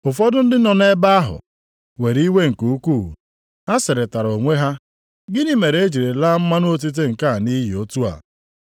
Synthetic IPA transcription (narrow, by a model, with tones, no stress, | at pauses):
ʊ˨fɔ˦dʊ˦n̩˦dɪ˦nɔ˨n˦e˦ba˦a˦ɦʊ̰˨ | we˨ɾi˦we˦ŋ̩˨ku˨u˦kṵ˦˨ | a˦sɪ˨ɾɪ˨ta˨ɾo˨ŋʷe˦ɦa˦ | ɡɪ˦ni˦me˨ɾe˦d͡ʒi˨ɾe˨la˦m̩˦ma˦nʊ˦o˦t̬i˦t̬e˦ŋ̩˨ka˦˨ni˦ɦi˨o˦tu˦a̰˨